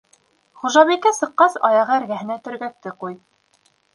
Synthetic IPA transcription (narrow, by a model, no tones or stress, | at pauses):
χuʒɑβikæsɤ̆qːɑsɑjɑʁɤæɾɡæɦɘ̆næt̪ɵ̆ɾɡæk̚t̪ɘquj